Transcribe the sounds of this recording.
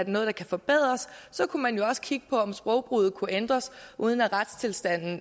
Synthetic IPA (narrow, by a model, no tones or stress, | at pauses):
æɐde̝nɔ̽ːðˠd̥ɑ̈kʰæfɒ̽b̥eð̞̰ˠʁɐsːɒ̽kʰumænjo̝ɒ̽sə̥kʰiɡ̥ə̥pʰɒ̽ɒ̽msb̥ʁɒʊb̥ʁuð̩ˠkʰuʔend̥ʁɐsuːð̞ˠn̩æʁad̥st͡sʰe̝lsd̥æn̰n̩